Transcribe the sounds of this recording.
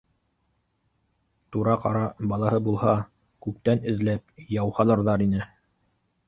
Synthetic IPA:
t̪uɾɑqɑ̰ɾɑbɑlˠɑhɤbulˠhɑ | kʉp̚t̪ænɘ̆ðlæp̚jɑwhɑlˠɤ̆ɾðɑɾinɘ

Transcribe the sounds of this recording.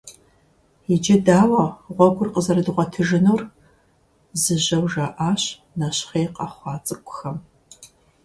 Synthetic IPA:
ɪd͡ʒɐdaːwɐʁʷɔɡʷʰʼʊrqəzɐɾɨdɨʁʷɔtʰɨʒɨnuːr | zɨʑɐwʒɐʔaːɕ | nɐɕχeːqɑχʷɑːt͡sʼɨkʷʼʊxɐm

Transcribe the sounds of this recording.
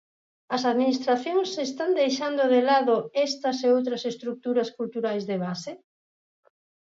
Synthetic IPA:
ɐsaðminist̪ɾaθjoŋsest̪and̪ejʃand̪ʊðelaðʊɛst̪ɐseowt̪̬ɾɐsest̪ɾuk̚t̪uɾɐskult̪uɾajzðeβase

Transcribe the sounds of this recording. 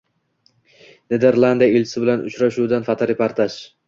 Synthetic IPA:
ned̪eɾlˠand̪ijaelt͡ʃʰɪ̥sɪbɪlanʊ̰t͡ʃɾaʃud̪anfat̪ʰaɾepaɾt̪ʰaʃ

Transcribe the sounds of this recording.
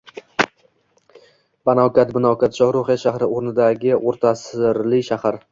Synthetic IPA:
banɒwkʲat̪bɪnɒwkʲat̪ʃɒhɾoχjaʃahɾɪoɾnɪd̪aɡʲɪʔoɾt̪ʰasɾlɪkʲʃahaɾ

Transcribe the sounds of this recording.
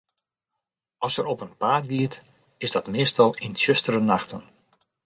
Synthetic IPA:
ɑlˠsəɾɔpənpaːtʋiət | ɪzdɑtmɪːstɑlˠɪnsøstəɾənaxtən

